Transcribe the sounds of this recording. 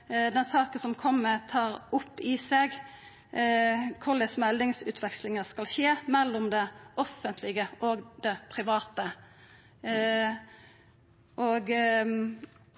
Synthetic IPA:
d̪ɛnsɑːkəsɔmkʰɔmːət̪ʰɑːɾʊpːɪseːɡ | kʰʊʁd̪ɛsmɛld̪ɪŋsʉːt̪ʰʋɛkslɪŋəskɑlʃeːmɛlːɔmd̪ɛɔfənt̪ʰlɪɡəʔoːɡd̪̥ɛpʰɾɪʋɑːt̪ə | ʔoːɡ

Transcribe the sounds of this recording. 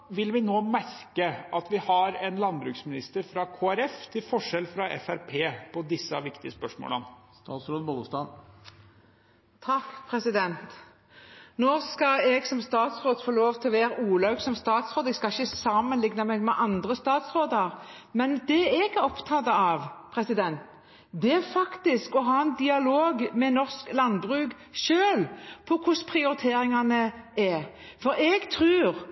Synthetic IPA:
ʋɪlʋɪnoːmæɾkəɑt̪ʋɪhɑɾɛnlɑnbɾʉːksmɪnɪst̪əɾfɾɑkʰoːæɾɛft̪ʰɪlfɔʂɛlfɾɑʔɛ̰fæɾpʰeːpʰɔd̪ɪsːəʋɪkt̪ɪəspœʂmo̰ːlən | t̪ɑːt̪sɾoːd̪əbɔlst̪ɑn | t̪ʰɑkːpʰɾɛsɪd̪ɛnt̪ | noːskɑɛɡsɔmst̪ɑːt̪sʁoːd̪foːloːʋt̪ʰɪlɔʋeːɾəʔuːlɑʉɡsɔmst̪ɑːt̪sʁoːd̪ɛɡskɑɪçəsɑmənlɪɡnəmɛɡmɛʔɑnd̪ʁəst̪ɑːt̪sʁoːd̪ɑʁ | mɛnd̪ɛɛɡɾɔpt̪ʰɑt̪ːəɑʋpʰʁɛsɪd̪ɛnt̪ | d̪ɛɛfɑkt̪ɪskɔɦɑːɛnd̪ɪɑloːɡmɛnɔʁsklɑnbʁʉːɡ | ʃøːlpʰɔkʰʊspʰʁɪʊɾɪt̪ʰeːɾɪŋɑnəɛ | fɔɾɛɡt̪ʰɾʉːʁ

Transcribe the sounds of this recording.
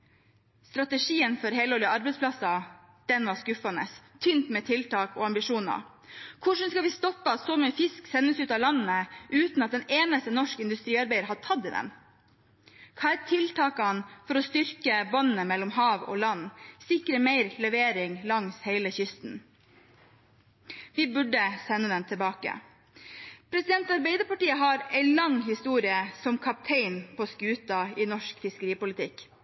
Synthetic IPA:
st̪ɾɑt̪əʂiːənfɔɾheɪloːlɪəɑɾbɛɪspʰlɑsɑ | d̪̥ɛnʋɑːskʉfɑnə̰st̪ʰʏnt̪mɛːt̪ʰɪlt̪ɑːko̰ːɑmbɪʂuːnɑ̰ | kʰʊʂən̩skɑʋɪst̪ɔpːəɑt̪soːmɛːfɪsksɛnːəsʉːt̪ɑːlɑnnəʔʉːt̪nɑt̪̚d̪ɛneːnəst̪ənɔʂkɪnd̪ʉst̪ɾiːɑɾbæɪəɾhɑʈʰɑd̪ɪd̪ɛ̰m | kʰɑɛt̪ʰɪlt̪ʰɑːkɑnfɔɾɔst̪ʏɾkəbɑnːəmɛlːɔmɦɑːʋo̰ːlɑnːsɪkɾəmeɪɾləʋeːɾɪŋlɑŋsheɪləçʏst̪n̩ | ʋɪbʉɖəsɛnːəd̪ɛnt̪ʰɪlbɑːkə̰ | pʰɾɛsɪd̪ɛnt̪ɑɾbeɪd̪əɾpɑʈiːəɦɑɾɛɪlɑŋːhɪst̪uːɾɪəsɔmkʰɑp̚t̪ʰeɪnpʰoːskʉːt̪ɑɪnɔʂkfɪskəɾiːpʊlɪt̪ʰɪk

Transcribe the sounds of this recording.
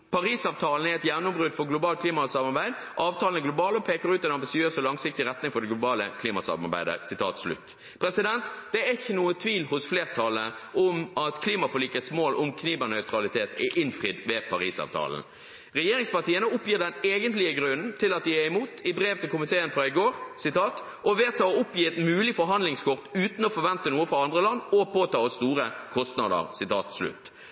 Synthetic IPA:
pʰɑɾiːsɑːʋt̪ʰɑːln̩æɛt̪jænʊmbʁʉd̪fɔʁɡlʊbɑːlt̪̚kʰliːmɑsɑmɑʁbæɪd̪ | ʔɑːʋt̪ʰɑːln̩ɛɡlʊbɑːlɔpʰeːkəɾʉːt̪ɛɪnɑmbɪsɪøːsɔlɑŋsɪk̚t̪ɪɾɛt̪nɪŋfɔɖ̪ɛɡlʊbɑːləkʰliːmɑsɑ̰mɑ̰bæ̰ɪd̪ə̰sɪt̪ʰɑ̰ːt̪slʉ̰t̪ː | pʰɾɛsɪd̪ɛnt̪d̪ɛæɪçːənuːət̪ʰʋiːlhʊsfleːʁt̪ʰɑləʔʊmɑt̪kʰliːmɑfɔɭiːkət̪smoːlʔʊ̰mkʰniːbənœʏt̪ɾɑlɪt̪ʰeːt̪ɛʔɪnfʁɪd̪ʋɛpʰɑʁiːsɑ̰ːʋt̪ʰɑ̰ːln̩ | ʁɛjeːɾɪŋspɑʁt̪iːənəʊpːjiːʁd̪ɛneːɡənt̪lɪəɡʁʉnn̩t̪ʰɪlɑt̪̚d̪ɪɛɪmuːt̪ɪbʁeːʋt̪ɪlkʊmɪt̪ʰeːənfɾɑɪɡoːʁsɪt̪ʰɑːt̪ | ʔɔʋeːt̪ʰɑːɔʊpjiːɛt̪mʉːlɪfɔɾɦɑnd̪lɪŋskʰʊʁt̪ʉːt̪n̩ɔfɔɾʋɛnt̪ənuːəfɾɑɑnd̪ʁəlɑnːɔpʰoːt̪ʰɑːɔsst̪uːʁəkʰɔst̪nɑd̪ə̰ʁsɪt̪ʰɑ̰ːt̪slʉ̰t̪ː

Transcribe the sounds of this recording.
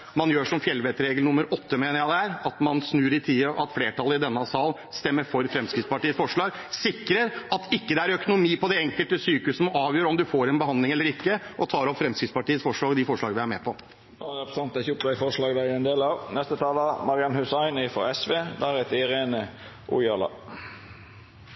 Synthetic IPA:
mɑnjøːʂɔmfjɛlːʋeːt̪əɾeːɡlnʊmːəɾɔt̪ːəmeːnəɾjæɪd̪æɾɑt̪mɑnsnʉːɾɪt̪ʰiːəʔɑ̰t̪fleːʈʰɑləɪd̪ɛnːɑsɑːl | st̪ɛmːəɾfɔɾfɾɛmskɾɪd̪spɑʈiːəsfɔʂɭɑːɡ | sɪkːɾəɾɑt̪ʰɪkːəd̪ɛæɾœkʊnʊmiːpɔd̪ɛɛŋkəlt̪əsyːkʉsnɑːʋjøːɾɔmd̪ʉfoːɾɛnbəɦɑnd̪lɪŋɛlːəɾɪkːəʔɔt̪ʰɑːɾɔpfɾɛmskɾɪt̪spɑʈiːəsfɔʂɭɑːɡd̪ɪfɔʂɭɑːɡəʋɪæɾmɛːpʰɔ | ɑpsɑnt̪d̪ɛçʊp̪æɪfɔʂlɑːɡd̪æɾɛnd̪eːlɑʋnɛst̪ət̪ʰɑːlɑmɑɾɪɑnhʉsɑɪnɪfɔ̰ɛsʋeːd̪ɑːɾɛt̪ɪɾeːnə | ʔʊ̰jɑːlɑ̰

